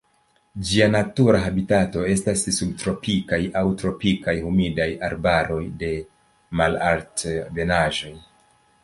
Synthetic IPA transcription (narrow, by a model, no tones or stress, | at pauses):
d͡ʒianatuɾaɦabitato̞e̞stasːub̚tɾo̞pikajawtɾo̞pikajhumidajaɾbaɾo̞jde̞ | malaɾtve̞naʒo̞j